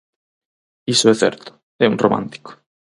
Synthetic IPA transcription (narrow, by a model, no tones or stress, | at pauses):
isoɛθɛ̰ɾt̪ʊ̥ | ɛunromã̰nt̪i̥ko̥